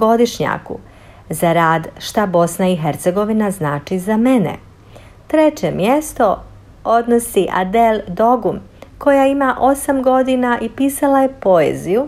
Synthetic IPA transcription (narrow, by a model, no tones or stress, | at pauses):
ɡo̞d̪iʃɲa̰kṵ | zaɾaːd̪ʃt̪abo̞snaiɦeɾt̪seɡo̞ʋinaznaːt͡ʃizamenḛ | t̪ɾet͡ɕe̞mjest̪o̞ | o̞d̪no̞siʔa̰d̪eld̪o̞ɡum | ko̞jaimaʔo̞samɡo̞d̪inaʔipiːsalaje̞po̞ḛziju